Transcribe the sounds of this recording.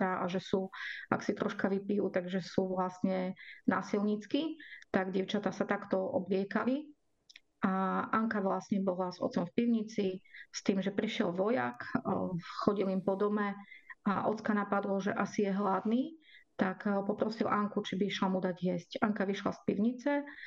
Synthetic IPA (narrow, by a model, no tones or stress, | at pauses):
aʔa̰ʒɛsua̰ksit̪ɾɔʃkaʋipijut̪aɡʒɛsuʋlasɲɛnaːsilɲit͡skit̪aɡɟɪɛʊt͡ʃat̪asat̪akt̪ɔʔɔ̰blɪɛkali | ʔaʔaŋkaʋlasɲɛbɔlazɔ̰t͡sɔmfpiʊɲit͡sist̪iːmʒɛpɾiʃɪɛlʋɔjak | xɔɟilimpɔd̪ɔmɛaʔɔt͡skanapad̪lɔʒɛʔasijɛɦlad̪niːt̪akpɔpɾɔsilʔaŋkut͡ʃibiʃlamud̪aɟɪjɛscaŋkaʋiʃla̰spiʊɲit͡sɛ